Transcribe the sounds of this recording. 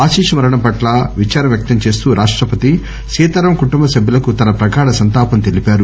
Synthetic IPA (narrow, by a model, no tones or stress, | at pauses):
aːʃiːʂɐmɐɾɐɳɐmpɐʈlɐʋit͡ʃaːɾɐmjɐk̚t̪ɐmt͡ʃe̞ːst̪uːɾʔaːʂʈɾɐpɐt̪i | ʃiːt̪ɐɾɐmkuʈumbɐsɐbʱjulɐkut̪ɐnɐpɾɐɡaːɽɐsɐnt̪aːpɐnt̪e̞lipaːɾu